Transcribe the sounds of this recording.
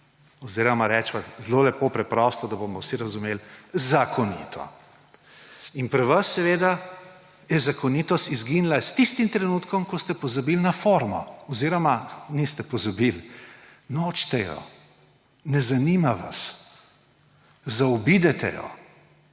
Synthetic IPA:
ɔziːɾɔmaɾɛt͡ʃpazlolɛpopɾɛpɾɔst̪ɔd̪ɐbomɔwsiɾɐzumelzakʰɔnḭt̪ʰɔ̰ | inpɾɛʋɐsːɛʋeːd̪a | jɛzakɔnit̪ɔst̪izɡinlast̪ist̪imt̪ɾɛnut̪kɔmkɔst̪ɛpɔzabilnafoɾmɔ̰ɔziːɾɔmanist̪ɛpɔzabil | noːt͡ʃt̪ɛjɔ̰ | nɛzanimaʋa̰s | zaɔbid̪ɛt̪ɛ̰jɔ̰

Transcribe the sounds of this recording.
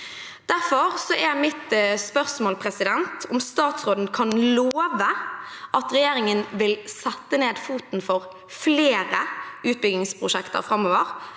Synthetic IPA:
d̪̥æʁfɔʁsɔʔɛɾmɪt̪spœʁsmoːlpʰɾɛsɪd̪ɛnt̪ʰʊmst̪ɑːt̪sʁoːd̪n̩kʰɑnloːʋəʔɑt̪ɾɛjeːɾɪŋənʋɪlsɛt̪ːəneːd̪fuːt̪nfɔʁ | fleːɾəʉːt̪̚bʏɡɪŋspʰɾʊʂɛkt̪ə̰ɾfɾɑmoːʋəʁ

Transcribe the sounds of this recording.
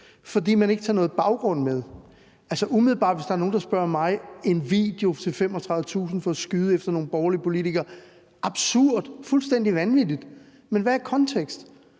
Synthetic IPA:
fɒ̽dḭːmæne̝ɡ̥ət͡sʰɑ̈nɔ̽ːð̩ˠb̥ɑ̈ʊɡ̥ʁɔ̽n̰meðˠ | ælsəʔumiðˠl̩bɑ̰̈ːd̥ʋe̝sd̥ɑ̈æɐno̝ːn̩d̥ɑ̈sb̥ɶɐ̰mɑ̈ɪe̝nʋḭd̥e̝o̝t͡sʰe̝lfem̰ɒt͡sʰʁɑ̈ð̩ˠət͡sʰṵːsn̩fɒ̽sɡ̥yːð̞̩ˠefd̥ɐno̝ːn̩b̥ɒːɐliəpʰo̝lit͡sʰiɡ̥ɐː | ʔɑ̈b̥suɐ̰d̥fulsd̥en̰d̥iʋænʋid̥id̥ | menʋæækʰɒ̽nt͡sʰeɡ̥sd̥

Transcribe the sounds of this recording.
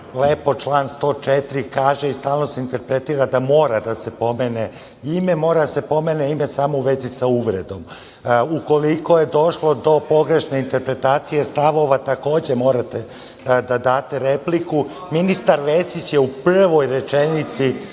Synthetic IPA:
leːpo̞t͡ʃlˠaːnst̪o̞ːt͡ʃet̪iɾikaːʒeist̪aːlˠno̞seint̪e̞ɾpɾet̪iːɾad̪amo̞ːɾad̪ase̞po̞meːne | ime̞mo̞ːɾad̪ase̞po̞meːneime̞saːmouʋe̞zisauʋɾed̪o̞m | uko̞liko̞jed̪o̞ʃlo̞d̪o̞po̞ɡɾe̞ʃne̞int̪e̞ɾpɾe̞t̪aːt̪sije̞st̪aʋo̞ʋat̪ako̞ːd͡ʑe̞mo̞ːɾat̪e | d̪ad̪aːt̪e̞ɾeplikuminist̪aɾʋesit͡ɕjeupr̩ʋo̞jɾe̞t͡ʃenit̪si

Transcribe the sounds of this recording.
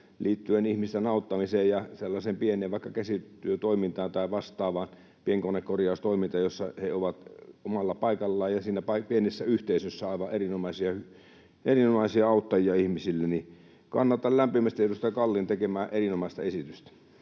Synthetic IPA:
liːt̪ːyenihmist̪enɑˑut̪ːɑmiseːjjɑselːɑseːmpieneːʋʋɑˑikːɑkæsit̪ːˑyøt̪oˑimint̪ɑːnt̪ɑˑiʋɑst̪ˑɑːʋɑːn | pieŋkonekkorjɑˑust̪oimint̪ɑjosːɑheoʋɑt̪omɑlːɑpɑˑikɑlːɑːjjɑsiːnæpɑipienisːæyht̪eisøsːæɑˑiʋɑʔerinomɑisiɑhy | ʔerinomɑˑisiɑɑˑut̪ːɑjiɑihmisilːeni | kɑ̰nːɑt̪ɑllæmpimæst̪ietust̪ɑkɑlːint̪ekemæːʔerinomɑˑist̪ɑesit̪yst̪æ̥

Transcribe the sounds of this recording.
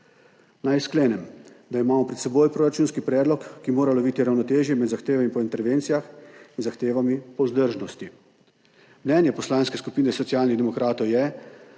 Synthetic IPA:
najskleːnɛmd̪aimaːmɔpɾɛt̪sɛboːjpɾoːɾat͡ʃuːnskipɾɛːd̪lɔkːimoːɾalɔʋiːt̪iɾawnɔt̪eːʒjɛmɛd̪zaxt̪eːʋamipɔint̪ɛɾʋeːnt̪sijaxinzaxt̪eːʋamipɔzd̪əɾʒnɔst̪i | mnɛnjɛpɔslaːnskɛskupiːnɛsɔt̪sijaːlnid̪ɛmɔkɾaːt̪ɔwjɛ

